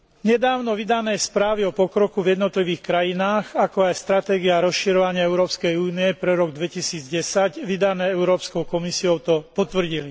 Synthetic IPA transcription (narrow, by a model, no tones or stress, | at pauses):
ɲɛd̪aːʊnɔʋid̪anɛːspɾaːʋiɔpɔkɾɔkuvjɛd̪nɔt̪liʋiːxkɾajinaːxakɔajst̪ɾat̪ɛːɡiaɾɔsʃiɾɔʋaɲɪaɛʊɾɔːpskɛjuːniɛpɾɛɾɔɡd̪ʋɛcisiːd͡zɟɛsaɟʋid̪anɛːɛʊɾɔːpskɔʊkɔmisiɔʊt̪ɔpɔt̪ʋr̩ɟili